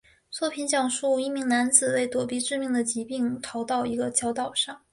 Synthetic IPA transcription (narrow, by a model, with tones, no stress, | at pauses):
t͡swɔ˥˩pʰi˧˥nɕjɑ˨˩ŋʂu˥˩i˧˥mi˧˥ŋna˧˥nt͡sɹ̩˨˩we˥˩ɪt̪wɔ˨˩pi˧˥ʈ͡ʂɻ̩˥˧mi˥˩ŋd̪ə˩t͡ɕi˧˥pi˥˩ŋt̪ʰɑ˧˥ʊt̪ɑ˥˩ʊi˧˥ɡə˧t͡ɕʰjɑ˧˥ʊt̪ɑ˨˩ʊʂɑ˥˩ŋ